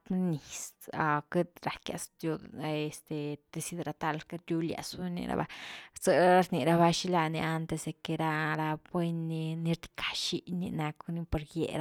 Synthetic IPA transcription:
t̪ni˨sa˨ke˦t̪ɾa˨kja̰˨st̪ju˧d̪e˨st̪e˨d̪̥e˧si˧d̪ɾa˧t̪a˧lka˦ɾʲu˦lja̰˨sbe˦nḭ˧ɾa̰˧ba̰˧t͡sə˦˧ɾni˨ɾa˧βa˧ʃi˦la˧ni˧a˧nt̪e˧sd̪e˨ke˧ɾa˧ɾa˧bwe˦nːi˧ni˦ɾd̪i̥˧kʰḁ˨ʃi˦nḭ˧na˧ku˦ni˦po˧ɾjḛ˧ɾa˧˦

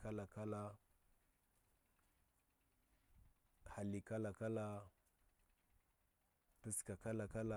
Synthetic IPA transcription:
ka˦la˨ka˦la˦ | ha˨li˨ka˦la˨ka˦la˦ | tu˦ska˨ka˦la˨ka˦la˨

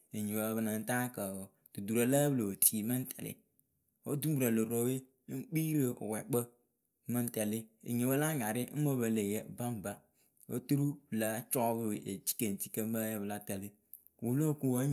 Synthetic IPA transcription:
e˨ɲi˨wa˨˦bə˨na˨n̩˦ta˦ka˨ | d̥u˨du˨ɾa˦la˦blo˨o˨tʰi˨ma˦n̩˦tʰɛ̰˨lɪ̰˦ | wo˦du˦bɾa˨lo˨ɾo˦we˦ | k͡pi˦ɾe˨ʔo̰˨wɛ˨k͡pə˦ | ma˦n˦tɛ˨lɪ˦ḛ˨ɲe˨wo˦la˦ŋa˨ɾɪ˦n̩˦mo˦bə˨le˨jɛ˨ba˦m̩˨ba˦ | wo̰˦tu˦ɾu˦bla˦t͡ʃɔ˦bʔe˨t͡ʃi̥˦ke˨n˨ti̥˦kə˦m˦ba˦jɛ˦bla˦tɛ˨li˦ | wo˨lo˦˨ku˦wa˦

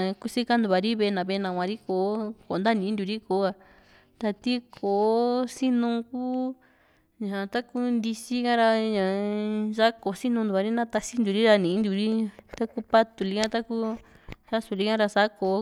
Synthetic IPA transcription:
ku˦si˦ka˦nd̪u˧βa˨ɾi˦βe˧nã˨βe˧nã˨˧kʷã˧ɾi˦ko˨˦ko˨nd̪a˦nĩ˨˦nd̪u˧ɾi˦ko˨˦a˧ | t̪a˧t̪i˦kʰo˨si˦nũ˧kuː˦ | ɲã˨t̪a˦ku˦nd̪i˧si˦kã˦ɾa˧ɲã˨ʒa˦ko˨si˦nũ˧nd̪u˨˧a˧ɾi˦nã˦t̪a˧si˦nd̪u˨˧ɾi˦ɾa˧nĩ˨˦nd̪u˧ɾi˦t̪a˦ku˦pa˦t̪u˨li˧kã˦t̪a˦ku˦ | ʃa˦su˧ɾi˦kã˦ɾa˧sa˦ko˨

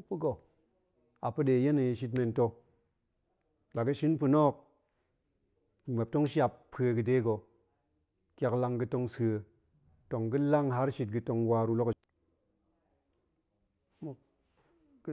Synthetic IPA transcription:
pu˦ɡo˨ | a˨pɨ˦ɗe˧˨je˦nɨ˨jʃi˧t̬me˧nto˧ | la˨kɐ˦ʃi˦npu˧no˦k̚ | ma˨p̚to˦ŋʃja˧ppʰːe˧ɡɨ˧de˦ɡo˧ | kʲa˧kla˧ŋɡɨ˧to˧ŋse˧ | to˨ŋɡɨ˦la˦ŋɦa˦ɾʃi˧t̚ɡɨ˧to˧ŋwa˧ɾu˧lo˦k | mo˨˦

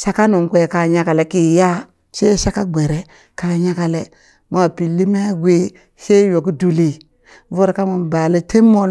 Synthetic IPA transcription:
ʃa˦ka˦nu˨ŋkʷe˦˨ka˨ɲa˦ka˨le˨ki˨ja˦ | t͡ʃe˦ʃa˦ka˦ɡ͡bʷe˨ɾe˨ | ka˨ɲa˦ka˨le˦ | ma˨pi˨lːi˦m˦a˦ɡʷe˦ | se˦jo˨ki˦du˨li˦ | vo˦ɾka˦mu˨mba˨le˦te˦mːo˦

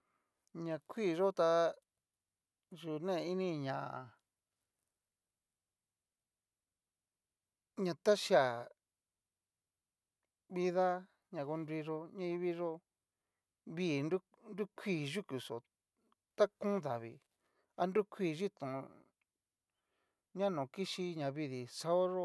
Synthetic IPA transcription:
ɲã˧kʰʷi˦˨˧ʐo˦t̪a˧ | ʒu˨nẽ˦˧i˦nĩ˦ɲã˨ | ɲã˧˨t̪a˦ʃa˨ | βi˧ða˦ | ɲã˧ko˧ndi˧ʐo˧ɲã˦i˧βi˦ʐo˦ | βiː˦˨nu˦ | ndu˦kʰʷiː˧˨ʒu˦ku˨so˨ | t̪a˦kũ˦ða˨βḭ˧ | a˧ndu˦kʷʰiː˧˨ʒi˦t̪ũ˨ | ɲã˦nõː˨ki˦ʃi˧ɲã˨βi˧ði˨sa˧˦o˦ʐo˦

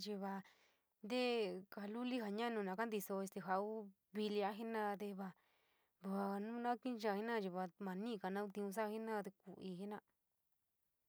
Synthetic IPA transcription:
t͡ʃi˧βa˧ | nd̪e˦ka˧lu˦li˦ɦa˧ɲã˦nũ˧nã˨˧ka˦nd̪i˧so˧e˧t̪e˧ɦa˧u˦ | βi˧li˧a˦ɦi˦nã˦˧t̪e˧βa˧ | βa˨˧nũ˦nã˦kĩ˦t͡ʃa˧˨i˦nã˦˧t͡ʃi˧βa˧mã˨nĩ˦˧ka˨nã˦u˧t̪ĩ˧ũ˧s̬a˦˧hi˦nã˦˧t̪e˧ku˨ʔi˧ɦi˦nã˧

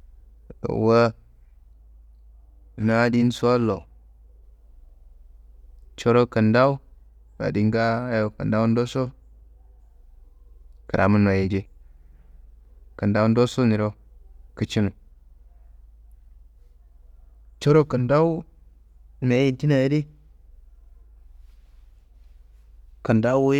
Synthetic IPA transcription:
wə˦˨ | na˦di˦n˦sa˦lo˨ | t͡ʃo˦ɾo˦kə˨nda˦u˦ | a̰˨di˦ŋɡa˦jo˨kə̰˨nda˦wu˦n˦do˦so˦ | kə˨ɾʔa̰˨mu˦na˨je˨d͡ʒe˦ | kə˨nda˦u˦n˦do˦so˦mi˨ɾo˦kə˦t͡ʃi˦nu˨ | t͡ʃo˦ɾo˦kə˨nda˦u˦˨ | me˨˦i˨nti˦na˨jdi˦ | kə˨nda˦w

